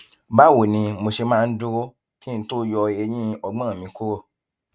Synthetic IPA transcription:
ba˦˨wo˨nĩ˧mo˧ʃe˧mãː˦˧n̩˦du˦ɾo˦ | kĩ˦n̩˦to˦jɔ˧e˧j̃ĩ˦ɔ˧ɡ͡bã˦˨mĩ˧˦ku˦ɾo˦˨

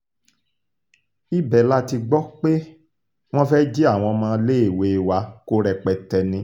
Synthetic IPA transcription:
i˦bɛ˨la˦ti˧ɡ͡bɔ˦k͡pe˦ | w̃ɔ̃˦fɛ˦d͡ʒi˦a˦˨w̃ɔ̃˧mãː˧˦le˦e˦˨we˨wa˧˦ko˦ɾɛ˧k͡pɛ˨tɛ˧nĩ˧

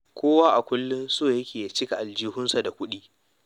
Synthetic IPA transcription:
kʷʰoː˦waː˦ʔa˨kʷʊ˦lːʊ˦nsoː˦˨jɐ˦kʲeː˨ja˦t͡ʃɪ˦ka˨ʔa˨ld͡ʒiː˦hʊ˦nsa˨da˨kʷʊ˦ɗiː˦

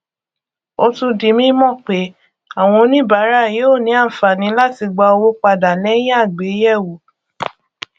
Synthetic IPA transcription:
o˧tũ˧di˨˦mĩ˦mɔ̃˦˨k͡pe˨˦ | a˨w̃ɔ̃˧nĩ˦ba˨˦ɾa˦˨je˨˦o˦˨nĩ˨˦a˦˨fa˨nĩ˨˦la˦ti˧ɡ͡ba˧o˧wo˦k͡pa˧da˨lɛ˨˦j̃ĩ˦a˦˨ɡ͡be˨˦jɛ˦˨wo˨˦

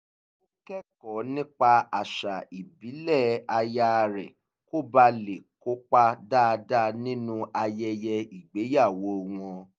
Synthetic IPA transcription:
o˦kɛ˦kɔ˨nĩ˦k͡pa˧a˨ʃa˨i˨bi˨˦lɛ˦˨a˧ja˧ɾɛ˨ | ko˦ba˧le˨ko˦k͡pa˦da˦˧da˦˧nĩ˦nũ˦a˧jɛ˧jɛ˧i˨ɡ͡be˨˦ja˦˨wo˧˦˨w̃ɔ̃˧

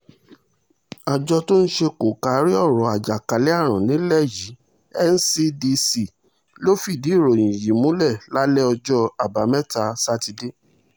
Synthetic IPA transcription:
a˨d͡ʒɔ˧to˦ñ̩˦ʃe˧ko˨ka˨˦ɾi˦ɔ˦˨ɾɔ˨a˨d͡ʒa˨ka˨˦lɛ˦a˦˨ɾ̃ã˨nĩ˨˦lɛ˦˨ji˨˦ | ɛ˦n̩˦si˦di˧si˨ | lo˦fi˦˨di˨˦i˦˨ɾo˨jĩ˨ji˨˦mũ˨˦lɛ˦˨la˦lɛ˦ɔ˧d͡ʒɔ˧a˨ba˨˦mɛ̃˦ta˧sa˦ti˧de˦

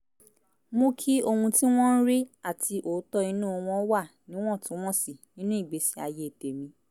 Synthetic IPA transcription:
mo˦kʰi˦o˧hũ˧ti˦w̃ɔ̃˦n̩˦ɾi˦a˦˨tʰi˧ʔo˨˦tɔ˦i˧nũː˦o˧w̃ɔ̃˧˦wa˦˨ | nĩ˦w̃ɔ̃˦˨tũ˨˦w̃ɔ̃˦˨si˨nĩ˨˦nũ˦i˦˨ɡ͡be˨˦si˨˦a˧je˦i˨te˨mĩ˧˦

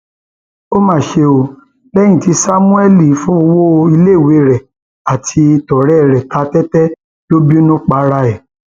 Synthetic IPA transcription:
o˦mãː˦˨ʃe˧o˧ | lɛ̃˦ĩ˦˨ti˨˧˦sa˦mũ˦ɛ˦li˦˨˦fɔ̃˦˧wo˦i˧le˦˨we˨˦˨ɾɛ˨ | a˨tʰi˧tɔ˨ɾɛ˨˦˨ɾɛ˨ta˨˦tɛ˦tɛ˦ | lo˦bi˦nũ˦k͡pa˧˦ɾa˧ɛ˨

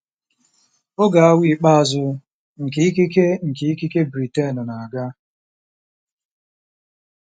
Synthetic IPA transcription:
o˦ɡa˨a˦wʷi˦˨k͡pa˦a˨zʊ˦ | ŋ̩˨ke˨i˦ki˦ke˦ŋ̩˨ke˨i˦ki˦ke˦bɾi˨te˦˨n˨na˨a˨ɡa˦

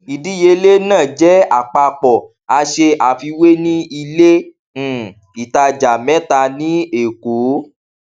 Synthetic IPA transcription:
i˨dĩ˦je˧le˦nãː˦˨d͡ʒɛ˨˦a˨k͡pa˧k͡pɔ˨ | a˧ʃe˧ʔa˨fi˧we˦nĩ˦i˧lẽ˦˨ | i˨ta˧d͡ʒa˨mɛ̃˦ta˧nĩ˦e˨ko˨˦

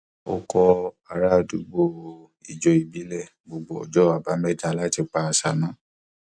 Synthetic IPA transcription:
o̰˧kɔ˧ | a˨ɾa˦˧˨du˦ɡ͡bo˧ | i˨d͡ʒɔ˨i˨bi˨˦lɛ˦˨ | ɡ͡bo˧ɡ͡bo˨˧ɔ̰˨d͡ʒɔ˦a˨ba˨˦mɛ˦˨ta˧la˦ti˧k͡pa˧a˧sa˨nã˨˦

